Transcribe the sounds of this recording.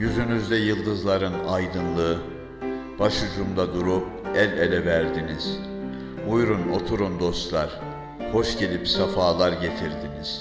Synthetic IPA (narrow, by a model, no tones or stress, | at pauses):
jyzynyzd̪ɛjɯlˠd̪ɯzlˠaɾɯnajd̪ɯnlˠɯ | b̥aʃud͡ʒumd̪ˠad̪uɾup̚ | ɛlʲelʲɛvæɾd̪iniz̥ | ujɾuno̞̰t̪ʰuɾund̪o̞st̪lˠaɾ̥ | ho̞ʃɟe̞lʲipsafaːlˠaɾɟe̞t̪ʰiɾd̪iniz̥